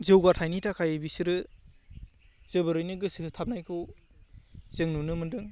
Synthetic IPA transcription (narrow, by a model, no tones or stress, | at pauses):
zɯwɡatʰajnitʰakʰajbisiɾɯ | z̥ɯbɯɾɯjnɯɡɯsɯɯtʰap̚najkʰɯw | z̥eŋnunɯmɯndɯŋ